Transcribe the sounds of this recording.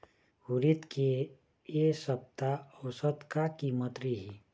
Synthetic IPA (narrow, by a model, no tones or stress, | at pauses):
huɾit̪ke | esəb̚t̪aəwsəd̪kakimət̪ɾiɦi